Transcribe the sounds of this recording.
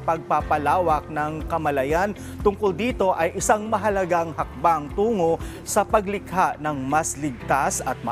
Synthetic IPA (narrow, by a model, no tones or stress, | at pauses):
pɐɡ̚papɐlaːwɐk̚nɐŋkɐmɐlɐjan | t̪ʊŋkʊld̪iːt̪o̞ʔɐjʔɪsaŋmɐɦɐlɐɡaŋhɐk̚baŋt̪uːŋo | sɐpɐɡlɪkhaʔnɐŋmɐslɪɡ̚t̪asɐt̪̚mɐ̰